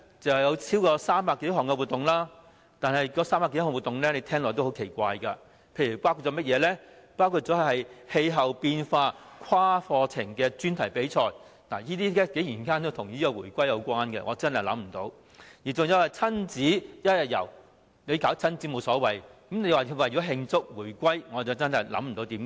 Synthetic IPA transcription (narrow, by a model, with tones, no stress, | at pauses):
t͡sɐ˨hjɐ˨˧wt͡sʰiː˥wkɔː˧saː˥mpaː˨˩ke˨˧jɐ˥ɦɔː˨˩ŋkɛ˧wu˨˩t̪ːʊ˨ŋlaː˥ | t̪aː˨˧nɐ˨jkɔː˧saː˥mpa˨ke˧˦jhɔ˨wu˨˩t̪ʊ˨ŋlɛː˥le˨˧jt̪ʰɛː˥ŋlɔː˨˩t̪who˨˥wkʰe˨˩jkʷa̰ː˧jkɐ˧ | pʰe˧jɥy˨˩paː˥wkʰu˧t͡sɔː˨˧˥mɐ˥t̚jɛː˨˧lɛ˥paː˥wkʰu˧t̚t͡sɔ˨˥hhɐ˨jhe˧jɦɐ˨wpiː˧nfaː˧kʰwaː˥fɔː˧t͡sʰɪ˨˩ŋkɛː˧t͡ʃyː˥nt̪ʰɐ˨˩jpe˨˥jt͡ʃʰɔː˧j | naː˨˩jiː˥t̪̬iː˥lɛː˥ke˨˥jiː˨˩nkaː˥nt̪o˥wt̪ʰʊ˨˩ŋjiː˥kɔː˧wuː˨˩jkʷɐ˥jːɐ˨˧wkʷaː˥nkɛ̰˧ŋɔ̰ː˨˧t͡sɐ˥nɐ˨˩jlɐ̰˨˥mm̩˨˩t̪o˨˥w | jiː˨˩t͡sʊ˨ŋjɐ˨˧wɐ˨˩jt͡sʰɐ˥nt͡siː˨˥jɐ˥t̚jɐ˨t̚jɐ̰˨˩w | ne˨˧jkaː˨˥wt͡sʰɐ˥nt͡si˨˥mo˨˧wsɔː˨˥wɐ˨jkɐ˨˥mne˨˧jwaː˨wɐ˨jɔː˨˥ɦɪ˧ŋt͡sʊ˥k̚wuː˨˩jkʷɐ˥jŋɔː˨˧t͡sɐ˨wt͡sɐ˥nɦɐ˨jlɐ̰˨˥m̩˨t̪o˨˧˥wt̪iː˨˥mkː